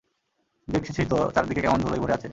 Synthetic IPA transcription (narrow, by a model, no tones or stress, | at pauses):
bekʃʰit͡ɕʰit̪ot̪aɾd̪ikekɛmond̪ʱoloipoɾeat͡ɕʰe